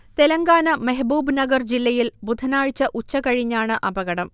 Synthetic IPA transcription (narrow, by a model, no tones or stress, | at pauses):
t̪e̞lɐŋɡaːnɐmɐɦɐbuːbnɐɡɐrd͡ʑilːɐjilbud̪ʱɐnaːɻt͡ɕːɐʔut͡ɕːɐkɐɻiɲːaːɳɨʔɐbɐɣɐɽɐm